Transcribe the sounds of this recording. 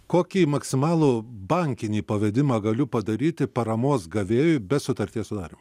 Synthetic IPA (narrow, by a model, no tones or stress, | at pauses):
koːkʲiːmɐksʲɪmɑːlˠuːbɐŋʲkʲɪnʲiːpɐʋʲɛd̪ʲɪmɑɡɐlʲʊpɐd̪ɐɾʲiːt̪ʲɪpɐɾɐmoːsɡɐʋʲeːjʊɪbʲɛsʊt̪ɐɾʲt̪ʲiɛsʊd̪ɑːɾʲɪm